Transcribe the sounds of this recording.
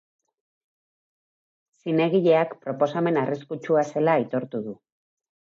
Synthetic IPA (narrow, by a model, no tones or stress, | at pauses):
sine̞ɣiʎe̞akpɾo̞po̞same̞nariskut͡ʃuase̞lait̪o̞ɾt̪uðu